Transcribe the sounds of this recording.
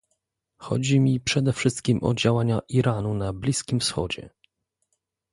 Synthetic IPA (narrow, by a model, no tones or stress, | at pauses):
xɔ̰d͡ʑimʲipʂɛd̪ɛfʂɘst̪̚kʲimʔɔ̰d͡ʑawaɲaʔiɾanunablʲiskʲimfsxɔd͡ʑɛ̰